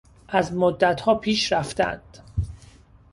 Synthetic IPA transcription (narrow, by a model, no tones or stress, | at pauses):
ʔæzmod̪ːæt̪hɒːpʰiːʃɾæft̪æ̰nd̪̥